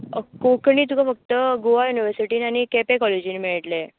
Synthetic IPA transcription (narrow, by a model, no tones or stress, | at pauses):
kokɳiːt̪̬ukʰafək̚t̪əɡoʋajuniʋəɾsiʈiːnañikɛpekɔled͡ʑiːnmiɭʈle